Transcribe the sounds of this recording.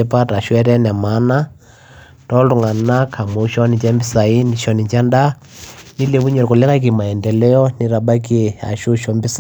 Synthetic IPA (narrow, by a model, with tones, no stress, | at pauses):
ɛ˦pa˦ta˨ʃwɛ˦ɾɛ˦n˨a˨ma˨˦na˦ | tɔ˦lu˨ŋa˨na˦kʰa˨mo˨˦ʃɔ˦ni˨t͡ʃa˦mbi˦sa˨i˦ni˨ʃɔ˨ni˨t͡ʃa˦nda˦ | ni˦le˨βu˦ɲɔ˨ɾku˨lɛ˦ŋɡa˦k̬i˨ma˨ɛ˨ndɛ˨lɛ˦ɔ˦ni˦ɾa˨ɓa˦ki˦ɛ˨a̰˨ʃu˦ʃɔ˨mbi˦s